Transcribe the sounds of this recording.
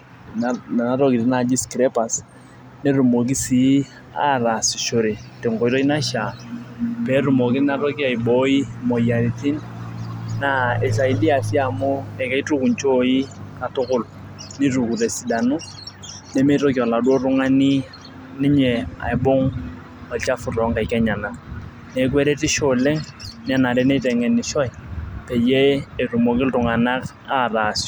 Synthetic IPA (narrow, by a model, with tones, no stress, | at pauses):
na˨˦ɾɔ˦ki˨ti˦na˨d͡ʒi˦skɾe˦pa˨s | ne˦ɾu˨mo˨k̬i˦si˨˦ | a̰˦˨ra˨si˨ʃo˨ɾe˨te˨ŋkɔ˨i˦to˦i˦na˦ʃa˨ | pe˨˦ɾu˨mo˨ki˦na˦ɾɔ˦ki˦a˨i˨bɔ˦i˦mo˨ja˨ɾi˨ti˦n | na˦e˨s̬a˨i˨˦di˦a˨si˦a˨mʊ˦ɛ˨kɛ˦i˦tu˦ku˨nt͡ʃo˦i˦ka˨tʊ˦kʊ˨l | ni˦ru˨ku˨re˨si˨da˨nu˦ | ne˨me˦to˦ki˨ɔ˨la˨du˦o˦rʊ˦ŋa˦ni˦ | nɪ˦ɲɛ˨a̰˨ɛ˨bʊ˦ŋ | ɔ˨t͡ʃa˦fʊ˨rɔ˨˦ŋka˨i˨kɛ˦ɲa˨na˨ | ne˦k̬wɛ˦ɾe˦ti˦ʃo˨le˦ŋ | n˦a˦na˨ɾɛ˦ne˦tɛ˨ŋɛ˨ni˨ʃɔ˦jpe˨je˦e˨ru˨mo˨kɪ˦ltʊ˨ŋa˨na˦k | a˦˨ra˨s